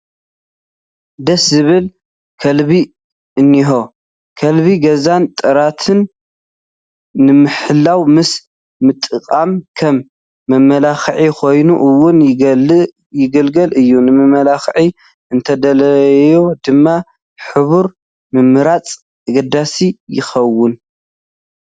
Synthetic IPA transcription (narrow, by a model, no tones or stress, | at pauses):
d̪ɐszɨβɨl | kʰɐlβi | ʔɨnːiɦo̞ | kʰɐlβiɡɐzant̪ʼɐɾat̪ʰɨn | ɨmɨħɨlːawmɨs | mɨt̪ʼːɨkʼamkʰɐmː | ɐmːɐlaxʕikʰo̞jnuʔɨwʊn | jɪɡɐlɡɐlʔɨjːunɨmɨmɐlaxʕi | ʔɨnt̪ʰɐd̪ɐlɐjod̪ɨmːa | ħɨβuɾ | mɨmːɨɾat͡sʼ | ɨɡɐd̪asijɪ̰xɐwːʊn